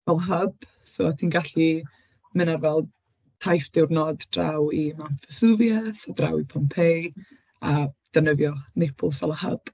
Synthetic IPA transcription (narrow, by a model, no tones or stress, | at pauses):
vɛlˠəɦəb̥ | sotʰiːnɡaɬi | mɪnarvɛlˠ | tʰajfd̥ɪwrnɔdd̥ra̰wimanfəsuvjəsadra̰wipʰɔmpʰej | ad̥ənəvjɔnɛpʰʊlˠsvɛlˠəhə̰b̥